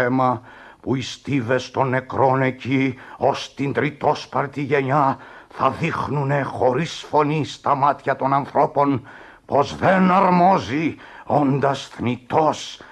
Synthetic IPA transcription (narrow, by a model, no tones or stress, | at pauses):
emɐ | puist̪ive̞st̪o̞nːe̞kɾo̞ne̞cio̞st̪ind̪ɾit̪o̞spɐɾt̪iʝe̞ɲɐθɐðixnune̞xo̞ɾisfo̞nist̪ɐmɐt̪çɐt̪o̞nɐnθɾo̞po̞n | po̞zðe̞nɐɾmo̞zi | o̞nd̪ɐsθnit̪o̞s